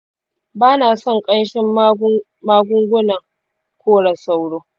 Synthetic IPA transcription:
baː˦naː˨sɔ˦˨ŋkʼɐ˦nʃɪ˦m˦ | maː˦ɡʷʊ˦ŋɡʷʊ˦nɐ˨ŋ | kʰʷoː˦ɽa˨sa˨wɽoː˦

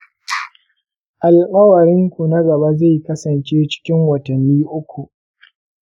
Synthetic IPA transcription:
ʔa˨lkʼɐ˦wɐ˨ɾɪ˦ŋkʷu˨na˦ɡɐ˨ba˦za˦˨jkɐ˦sɐ˨nt͡ʃeː˦t͡ʃɪ̥˦kʲɪ˦ŋwɐ˨tɐ˨nːiː˦ʔʊ˦kʷu˨ʔ

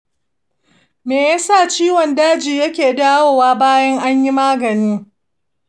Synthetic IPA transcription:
meː˨ja˦sa˦˨t͡ʃiː˦wɔ˨ndaː˦d͡ʒiː˨jɐ˦kʲeː˨daː˦woː˨waː˦baː˦jɐ˦ŋʔa˦ɲji˦maː˦ɡɐ˨niː˦

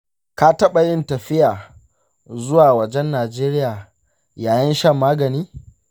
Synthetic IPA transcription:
ka˦tɐ˦ɓa˨jɪ˦ntɐ˨ɸɪ˦jaː˨ | zʊ˦waː˨wɐ˨d͡ʒɛ˦nːaː˨d͡ʒeː˦ɾɪ˦jaː˨ | jaː˨jɐ˦nʃɐ˦mːaː˦ɡɐ˨niː˦

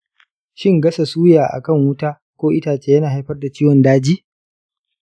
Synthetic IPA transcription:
ʃɪ˦ŋɡɐ˦sa˨suː˦jaː˨ʔa̰˨kɐ˦˨ŋwʊ˦taː˦ | kʷoː˦ʔɪ˦taː˨t͡ʃeː˦jɐ˦naː˨ha˦jɸɐ˦rda˨t͡ʃiː˦wɔ˨ndaː˦d͡ʒiː˦

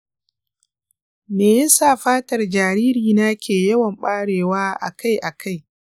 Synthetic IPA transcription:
neː˨jɐ˦saː˦˨ɸaː˦tɐ˨rd͡ʒaː˨ɾiː˦ɾiː˨na˦kʲeː˨jɐ˦wɐ˨mɓaː˦ɽeː˨waː˦ʔa̰˨ka˦jʔa˨kʰa˦j

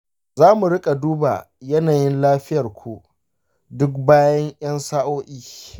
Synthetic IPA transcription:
zaː˦mu˨ɽɪ˦kʼa˨duː˦ba̰˨ | jɐ˦naː˨jɪ˦nlaː˦ɸɪ˦jɐ˨rkʷu˨ | dʊ˦k̚baː˦jɐ˦ŋʔj̰ɐ˦nsaː˦ʔoː˦ʔiː˦

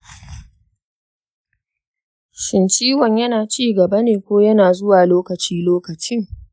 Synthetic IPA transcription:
ʃɪ˨nt͡ʃiː˦wɐ˨ɲjɐ˦naː˨t͡ʃiː˦ɡɐ˨bɐ˦neː˨kʷoː˦jɐ˦naː˨zʊ˦waː˨loː˦kɐ˨t͡ʃiː˦loː˦kɐ˨t͡ʃɪ˦ŋ

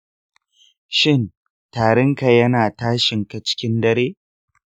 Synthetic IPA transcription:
ʃɪ˦˨n | taː˨ɽɐ˦ŋka˨jɐ˦naː˨taː˦ʃɪ˨ŋka˨t͡ʃɪ̥˦kʲɪ˦ndɐ˦ɾeː˦

